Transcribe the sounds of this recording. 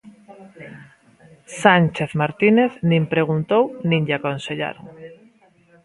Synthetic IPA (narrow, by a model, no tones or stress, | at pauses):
sant͡ʃeθmaɾt̪ineθnĩmpɾeɣ̞unt̪ownĩŋʎakonseʎa̰ɾo̰ŋ